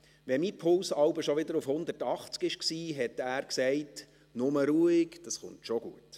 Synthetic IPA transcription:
ʋɛmipʰʊlsɑwbəʃɔʋɪd̪əɾufhʊnd̪ətɑχt͡skɪʃksiːɦɛtæːɾksɛɪt | nʊməɾuːikd̥ɑsχʊ̰ntʃoɡ̥uət

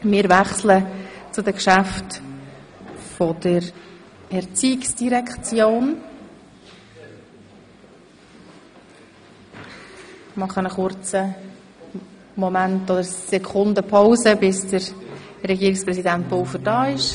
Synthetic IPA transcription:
mɪːɾvæχslət͡sʊdəkʃæft | fɔdəɾ | ɛɾt͡siːksd̥iɾɛkχt͡sjoːn | mɑχənəχʊrt͡sə | mɔmæntod̪əɾsɛkʰχʊndəpʰawzəbɪsd̥əɾɾɛɡiːɾɪkspɾɛsidæntvofədɑːɪʃ

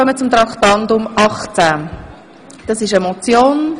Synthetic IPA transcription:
œmət͡sʊmt̪ɾɑktɑndʊmɑχt͡sæ | d̥ɑsɪʃɛmɔt͡sjoːn

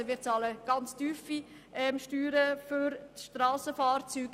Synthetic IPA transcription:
əvɪːt͡sɑːləɡ̥ɑnt͡styːfi | ʔɛmʃtyːɾəføɾʃtɾaːsəfaːrt͡syːɡ

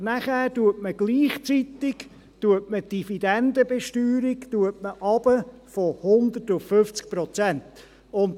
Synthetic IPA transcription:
næχæːɾtuətməɡ̥liːχt͡sit̪ɪɡ | tuətməd̥ifid̥ɛnd̪əbeʃtyːɾɪktuətməʔɑb̥ə | fɔhʊnd̪ətʊffʏft͡sk̚prɔt͡sɛnt | ʊnd

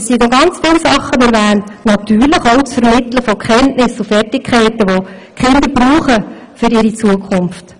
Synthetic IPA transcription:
sinɔɡɑnt͡sfɪlsɑχːənɪvæːnnɑt̪yːɾləχoʊt͡sfəɾmɪt̪ləfɔkχɛntnɪsːʊfɛrtɪkʰχæɪtəʋokχɪnd̪əɾbruːχə | fʏɾɪɾit͡suəkʰʊnft

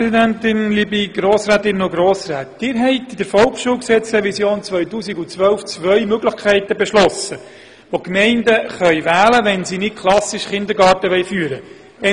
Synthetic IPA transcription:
ɛsidæntɪnlibiɡɾoːsɾaːt̪ɪnːoɡɾoːsraːt̚d̥ɪːɾɦɛɪtid̥əɾfɔlkʃuːlksɛt͡sɾɛʋisjoːnt͡svœʏtuːsiɡʊt͡sʋœlft͡sʋœʏmøɡləχkʰɛɪtəbɛʃlɔsə | ʋokmɛɪndəχœʏʋæːləʋɛnsinɪt̚kʰlɑsiʃχɪnd̪əɾɡɑːɾtəʋɛjfyːəɾə | ɛ

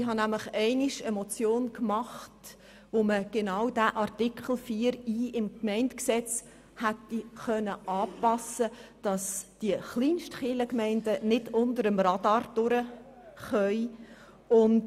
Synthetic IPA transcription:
ɪɦɑnæmləχɛɪniʃəmɔt͡sjoːnkmɑχt | ʋoməɡ̥enɑwd̥æʔɑɾtikχl̩ˠfiːəɾiːɪmkmɛɪntksɛt͡s | hætːiχœnəʔɑːpɑsəd̥ɑsd̥iəχliːnʃtχɪləkmɛɪndənɪdʊndəɾəmrɑd̥ɑːɾd̥ʊɾə | χœʏ | ʊn

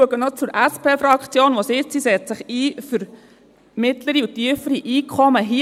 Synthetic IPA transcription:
əɡənɔt͡suɾʔæspʰeːfɾɑkχt͡sjoːnʋosɪt͡ssisɛt͡ssɪχiːfyɾ | mɪtləɾiutiəfəɾiʔiːkʰχɔməɦi

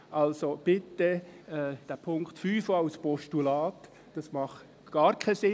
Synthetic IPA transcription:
ʔɑlsob̥ɪt̪ːəɛd̥æpʰʊŋktfyːfoaʊspʰɔʃtulɑːt | d̥ɑsmɑχt | ɡ̥ɑːɾkʰasɪ

